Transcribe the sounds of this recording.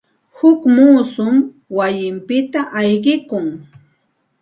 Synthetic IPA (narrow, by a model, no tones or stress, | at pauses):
hʊkmuːsʊm | wajɪmpɪt̪aʔajɢɪkʊŋ